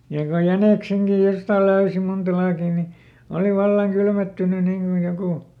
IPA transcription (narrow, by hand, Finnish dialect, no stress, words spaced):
jɑ ko jæneˑkseŋkij jostɑˑl løysi muntɑ lɑːkiˑ ni oli ʋɑlːɑŋ kylmetːyny niŋ kuj jokuˑ